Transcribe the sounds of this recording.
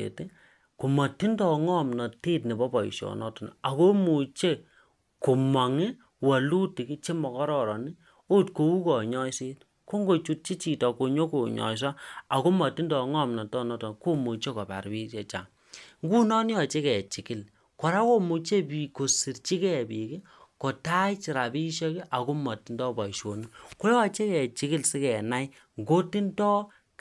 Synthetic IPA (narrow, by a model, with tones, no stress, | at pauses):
ḛ˨ti˦ | ku˨ma˨ti˦ndɔ˨ŋɔ˦mnɔ˨te˦tni˨bɔ˦bɔ˨ḭ˨ʃɔ̰˨nɔ˦tɔ˨n̰˨a˨ko˦mu˨t͡ʃe˦ | ko˨ma˨ŋɪ˦ | wa˨lu˦ti˨ki˦t͡ʃe˦mɔ˨kɔ˦ɾɔ˦ɾɔ˨ni˦ | o˦tko˨wu˦kɔ˨ɲɔ˦jse˦t̚ | ko˦ŋɡo˦˨t͡ʃu˦t̚t͡ʃi˦t͡ʃi˨tɔ˨ko˨ɲo˦ko˨ɲɔ̰˨js̬a˦a˨ko˦mɔ˨tːi˦ndɔ˨ŋɔ˦˨mna˨tɔ˦˨nɔ˦tɔ˨ko˦mo˨t͡ʃe˦kɔ˨pa̰˨rbi˦t͡ʃe˨t͡ʃa̰˨ŋ | ŋɡu˦nɔ˦n˦ɔ˨t͡ʃe˦kɛ˨t͡ʃi˨ki˦˨l | kɔ˨ɾa˦ko˦mo˨t͡ʃe˦bi˨ko˨si˨rt͡ʃi˦kɛ˦˨bi˨ki˦ | ko˨ta˦t͡ʃi˨ɾa˨bi˦ʃɔ˦ki˦ʔa˨ko˦mɔ˨ti˦ndɔ˦bɔ˨ʃo˨ni˦ko˦jɔ˦˨t͡ʃe˦kɛ˨t͡ʃi˦ki˦lsi˦kɛ˨na˦j | ŋɡo˦ti˦ntɔ˦